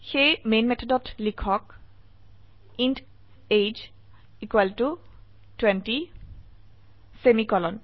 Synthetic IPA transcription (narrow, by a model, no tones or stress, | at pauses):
xejmenmɛt̪ʰɔdɔtlikʰɔk̚ | int | ejd͡ʒ | ikwaltu | twɛnti | semikɔlɔn